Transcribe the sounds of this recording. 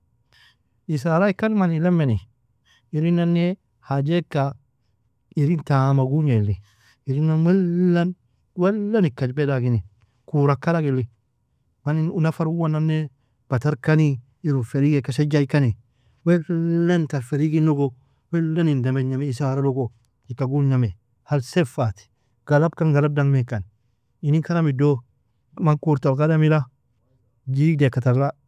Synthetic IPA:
is̬aɾaikːanmanilɛmeni | iɾinanːe | had͡ʒekːa | iɾintamaɡuɲeli | iɾinawɛan | wɛlːanikːad͡ʒbɛdaɡini | kuɾakːalaɡilːi | maniunafaɾuwananːe | b̥ataɾkani | iɾufeɾiɡekaʃed͡ʒajkani | welantaɾfeɾiɡinuɡo | welːanindameɲameisaɾaloɡo | ikːaɡulɲame | halsefati̥ | ɡ̥alab̚kanɡalab̚daŋmekan | inikanamido | mankuɾtakadamila | d͡ʒidekataɾla

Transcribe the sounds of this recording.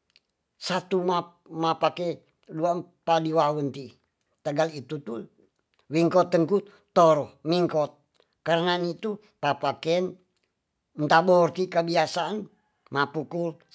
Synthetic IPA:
sat̪uma | mapakɛ | dua | padiwawənt̪i | t̪əɡalit̪ut̪u | wiŋkɔt̪ːəŋku | t̪oɾɔmiŋkɔt̪̚ | kaɾənanit̪u | papakɛn | nt̪abort̪ikəbiasaʔːn | mapukul

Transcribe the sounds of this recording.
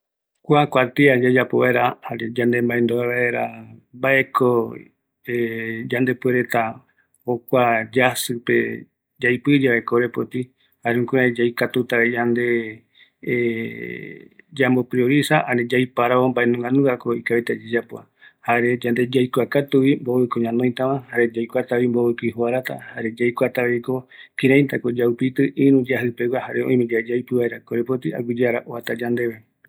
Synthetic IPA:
kʷakʷat̪iad͡ʒad͡ʒapoβaeɾahaɾed͡ʒand̪e̞mbaẽnd̪oβaβaeɾabaʔe̞kʰo | ed͡ʒand̪e̞pueɾet̪a | okʷad͡ʒasɨpḛ | d͡ʒajpɨd͡ʒeβaekoɾepot̪i | haɾeũkuad͡ʒajkat̪ut̪aɾed͡ʒand̪e̞ | d͡ʒambopɾioɾisaʔanẽd͡ʒajpaɾaombaenũŋɡãnũakoikaβet̪ad͡ʒed͡ʒapoa̰ | haɾed͡ʒand̪e̞d͡ʒajkʷakat̪uʋimboβɨkoɲãnõj̃t̪aβãhaɾe̞d͡ʒajkʷat̪aβimboβɨkoihuaɾat̪a̰haɾed͡ʒajkʷat̪aβeiko̞kiɾãj̪̃t̪akod͡ʒaupit̪ɨʔĩɾũd͡ʒaɦɨpeɡahaɾeõ̰ĩmẽd͡ʒad͡ʒajpɨβaeɾakoɾepot̪ia̰ɡʷud͡ʒeaɾaʔoβat̪ad͡ʒand̪e̞βe

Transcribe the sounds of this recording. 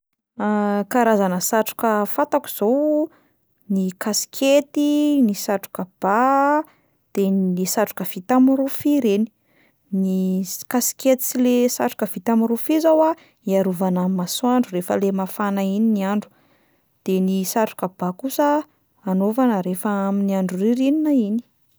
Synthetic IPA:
kaɾazanəsaʈ͡ʂu̥kəfat̪aku̥z̥ow | nikasi̥kʰet̪inisaʈ͡ʂu̥kəb̥a | d̪̥elesaʈ͡ʂu̥kəv̥it̪amiɾufiɾeni̥ | nikasi̥kʲet̪it͡silesaʈ͡ʂu̥kəv̥it̪amiɾufizawa | iaɾuvanamasuaɳɖ͡ʐurefəlemafanaininiaɳɖ͡ʐu̥ | d̪̥enisaʈ͡ʂu̥kəb̥akusə | anovanəɾefəaminiaɳɖ͡ʐuriɾininaini̥

